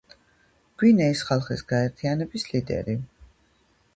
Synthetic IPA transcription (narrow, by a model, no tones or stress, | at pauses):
ɡ̥winɛisχalˠχḭsɡ̥aɛɾt̪ʰianɛbislid̪ɛ̰ɾi